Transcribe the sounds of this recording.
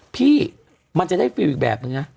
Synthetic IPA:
pʰiː˥˩ | ma˧nt͡ɕa˨˩da˥˩jfiː˧wʔiː˨˩k̚bɛ̰ː˨˩p̚nɯ˧ŋna˦˥

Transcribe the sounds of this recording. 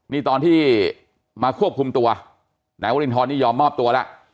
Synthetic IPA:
niː˥˩t̪ɔː˧nt̪ʰiː˥˩ | maː˧kʰu˥˩əp̚kʰu˧mt̪u˧ɐ | na˨˩˦wa˧˥li˧nt̪ʰɔː˧nːiː˥˩jɔː˧mːɔː˥˩p̚t̪u˧ɐla̰˦˥ʔ

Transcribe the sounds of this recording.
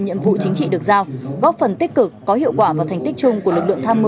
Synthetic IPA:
ɲḭ˧˨əmvṵ˧˨t͡ɕï˨˦ŋ̟t͡ɕḭ˧˨ɗɨ˨˩ək̚zaː˧wɣɔ˦˥p̚fə˨˩nt̪i˦˥k̟̚kɨ˨˩kːɔ˨˦ɦḭ˧˨əwkwaː˧˩vaː˨˩t̪ʰŋ̟t̪i˦˥k̚t͡ɕʊ˧ŋ͡mku˧˩əlɨ˨˩k̚lɨ̰˧əŋt̪ʰaː˧mːɨ˧

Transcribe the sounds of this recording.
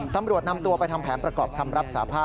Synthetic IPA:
t̪a˧mɾu˨˩ət̪̚na˧mt̪u˧əpa˧jt̪ʰa˧mpʰɛː˩˦npɾa˧kɔː˨˩p̚k̪ʰa˧mɾa˦˥p̚sa̰ː˩˦pʰaː˥˩

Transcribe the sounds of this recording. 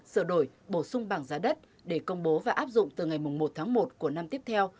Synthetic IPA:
səː˧˩ɗo˧˩jɓo˧˩sʊ˧ŋ͡mɓaː˧˩ŋzaː˨˦ɗə˦˥t̚ | ɗe˧˩kə˧wŋ͡mɓo˨˦vaː˨˩ʔaː˦˥p̚zʊ̰˧˨ŋ͡mt̪ɨ˨˩ŋa˨˩jmʊ˨˩ŋ͡mmo˨˩t̚t̪ʰaː˨˦ŋmo˨˩t̚ku˧˩əna˧mt̪i˦˥əp̚t̪ʰɛ˧w

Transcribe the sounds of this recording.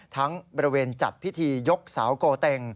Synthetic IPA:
t̪ʰa˦˥ŋbɔː˧ɾi˧weː˧nt͡ɕa˨˩t̪̚pʰi˦˥t̪ʰiː˧jo˦˥k̚saː˩˦wkoː˧t̪ɛ˧ŋ

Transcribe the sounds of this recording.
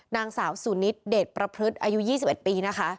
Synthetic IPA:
naː˧ŋsaː˩˦wsu˨˩˦ni˦˥t̪̚deː˨˩t̪̚pɾa˧pʰɾɯ˦˥t̪̚ʔaː˧ju˦˥jiː˥˩si˨˩p̚e˨˩t̪̚piː˧na˦˥kʰa˦˥ʔ

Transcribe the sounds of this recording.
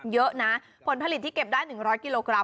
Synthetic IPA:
jɤ˦˥ʔna˦˥ | pʰo˩˦npʰa˧li˨˩t̪ːiː˥˩ke˨˩p̚daː˥˩jnɯ˨˩ŋɾɔː˦˥jki˨˧loː˧kɾa˧

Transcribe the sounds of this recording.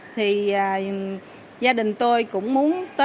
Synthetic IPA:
t̪ʰi˨˩əː˨˩ | zaː˧ɗï˨˩ŋ̟t̪o˧jkʊ̰˧˥ŋ͡mmu˨˦ənt̪əː˨˦

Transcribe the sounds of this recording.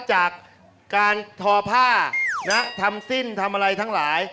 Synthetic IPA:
t͡ɕaː˨˩k̚ː | aː˧nt̪ʰɔː˧pʰaː˥˩na˦˥t̪ʰa˧msi˥˩nt̪ʰa˧mʔa˧ɾa˧jt̪ʰa˦˥ŋlaː˩˦j

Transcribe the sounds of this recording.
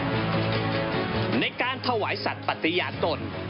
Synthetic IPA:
na˧jkaː˧nt̪ʰa˧waː˩˦jsa˨˩t̪̚pa˨˩t̪ːi˧jaː˨˩t̪̚k̪o˨˩n

